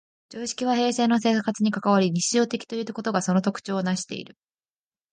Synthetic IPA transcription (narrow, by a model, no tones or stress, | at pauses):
d͡ʑoːɕi̥kʲiβ̞ahe̞ːse̞ːno̞se̞ːkat͡sɨɲ̟ikakaβaɾʲiɲ̟iɕiʑo̞ːt̪e̞kʲi̥t̪o̞jiɯt̪ːako̞t̪o̞ɡaso̞not̪o̞kɯ̟̥t͡ɕo̞ːnaɕi̥t̪e̞̰ḭɾɯ̟